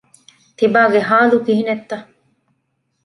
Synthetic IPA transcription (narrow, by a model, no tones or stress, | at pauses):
t̪ibaːɡeɦaːlukiɦinet̪ːɐ